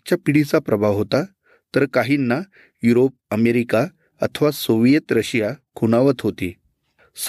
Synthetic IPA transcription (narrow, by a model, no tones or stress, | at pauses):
t͡ɕjapiɽit͡sapɾəbʱaʋɦot̪a | t̪əɾkaɦinːa | juɾop̚əmeɾika | ə̰t̪ʰəʋasoʋjet̪ɾəɕjakʰunaʋət͡s̪ɦot̪i | s